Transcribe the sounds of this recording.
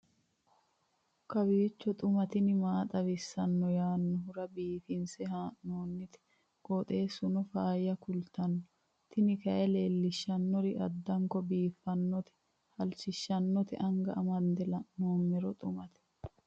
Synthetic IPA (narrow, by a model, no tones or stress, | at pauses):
kɐbiːt͡ʃːɔt̪ʼʊmɐt̪ɪnɪmaːt̪ʼɐβɪsːɐnːɔjaːnːɔɦʊɾɐbiːfɪnsɛhaːʔnoːnːɪt̪ɛ̥ | kʼɔt̪ʼe̞ːsʊnɔfaːjɐkʊlt̪ɐnːɔɔ | t̪ɪnɪkɐʔɛle̞ːlːɪʃːɐnːɔɾɪʔɐ̰d̪ːɐŋkɔbiːfːɐnːɔt̪ɛ̥ | hɐlsɪʃːɐnːɔt̪ɛ̰ʔɐŋɡɐ̰ʔɐmɐnd̪ɛlɐnoːmːɛɾɔt̪ʼʊmɐt̪ɛ̥